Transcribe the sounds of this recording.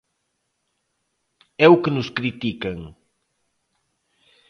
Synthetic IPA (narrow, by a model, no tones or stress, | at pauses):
ɛukenʊskɾit̪ikɐŋ